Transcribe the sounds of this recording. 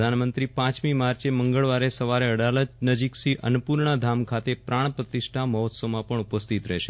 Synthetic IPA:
d̪ʱanmənt̪ɾipãt͡ʃmimaɾt͡ʃeməŋɡəɭʋaɾesəʋaɾeəɽaləd͡ʒnəd͡ʒiksiʔə̰nupuɾɳad̪ʱamkʰat̪epɾaɽ̃pɾət̪ɪʃʈʰaməɦɔt̪somãpəɳ̃upəst̪it̪ɾɛɦʃe

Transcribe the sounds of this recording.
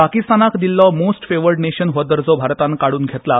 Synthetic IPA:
pakist̪anakd̪ilːɔmosʈfeʋəɾɖneɕənɦɔd̪əɾd͡zɔbʱaɾt̪ãnkaɽuːnɡʱet̪la

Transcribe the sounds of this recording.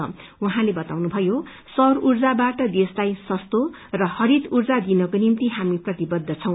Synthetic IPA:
ʌ̰uɦãlebʌt̪awnubʱʌjo | sʌrurd͡zabaʈʌd̪eslajsʌst̪o | rʌhʌɾit̪urd͡zad̪inʌkonimt̪iɦamiprʌt̪ibʌd̪ʱːʌt͡sʰʌw̃

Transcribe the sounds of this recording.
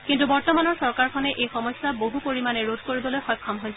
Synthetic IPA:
kintubɔɹtɔmanɔɹsɔɹkaɹkʰɔnɛʔejxɔmɔjsːaboɦupoɹimanɛɹodʱkoɹibɔlojxɔjkʰːɔmɦojs

